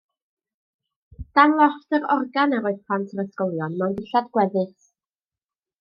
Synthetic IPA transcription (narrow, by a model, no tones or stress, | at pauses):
d̥anlˠɔftəɾɔrɡanaɾoːɨðpʰl̥antʰəɾəskɔlˠjɔnmawndɪɬadɡ̥wɛðɨθ